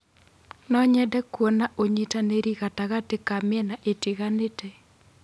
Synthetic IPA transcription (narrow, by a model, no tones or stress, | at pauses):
nɔɲɛdɛkwɔnaʔoɲitaneɾiɣataɣatekamɪɛnaʔetiɣanetɛ